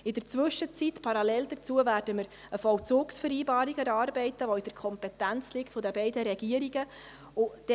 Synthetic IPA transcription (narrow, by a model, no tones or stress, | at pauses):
ɪdəɾt͡sʋɵʃət͡sit̪pʰɑɾɑlɛld̪ət͡suəvæːrd̥əməɾ | əfɔwt͡sʊːksfəɾiːbɑːɾiɡəɾɑːɾbɛɪtəʋɔid̥əɾkʰɔmpɛtænt͡slɪktfodəbɛɪdəɾɛɡ̥iəɾiɡə | ʊd̥ɛ